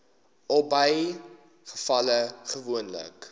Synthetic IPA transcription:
ɔlˠbɐj | χə̥fɐləχəvuənlə̰k

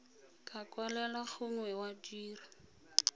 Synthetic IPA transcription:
kʼakʼwalɛlaχʊŋwɛwadiːra

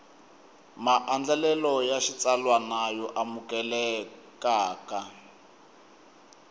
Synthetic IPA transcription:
maʔand͡ɮalɛlɔjaʃit͡salwanajɔʔamukɛlɛ | kaːka

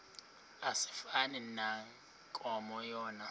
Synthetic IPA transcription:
asi̥fanɛnaŋ | kʼɔmɔjɔːna

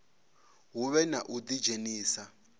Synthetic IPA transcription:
ɦuβɛnaʔud̪id͡ʒeniːsa

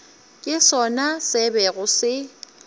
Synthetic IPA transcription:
kʼɪsɔnasɪbɛɣʊsɪ

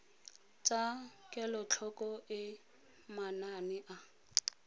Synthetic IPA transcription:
t͡sʼakʼɛlɔt͡ɬʰɔkʼɔʔɪ | mananɪʔa

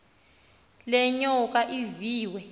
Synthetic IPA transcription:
lɛɲɔk̬ʼaʔiviːwɛ

